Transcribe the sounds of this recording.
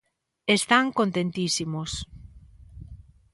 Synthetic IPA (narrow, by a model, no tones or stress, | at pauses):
est̪aŋkont̪ent̪isimos